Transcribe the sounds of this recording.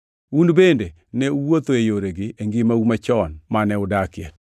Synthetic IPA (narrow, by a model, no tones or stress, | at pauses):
unbende | nɛuwot̪oejoɾeɡɪʔeŋɡɪmaumat͡ʃɔnmanɛʊdakɪɛt̚